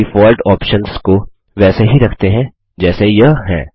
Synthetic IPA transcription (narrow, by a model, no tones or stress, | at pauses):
ifɔːlʈɔːpʃənsko | ʋɛːseɦiɾɐkʰt̪eɦɛ̃ | d͡ʒɛːsejɐɦɦɛ̰̃ː